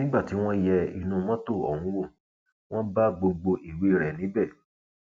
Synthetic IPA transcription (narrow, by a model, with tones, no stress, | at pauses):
nĩ˦ɡ͡ba˦˨ti˨˦w̃ɔ̃˦jɛ˧ḭ˨nũ˨˧mɔ̃˦to˦˨ɔ̰˨wũ˨˦wo˦˨ | w̃ɔ̃˦ba˦ɡ͡bo˧ɡ͡bo˧ʔi˨we˨˦˨ɾɛ˨nĩ˨˦bɛ˦˨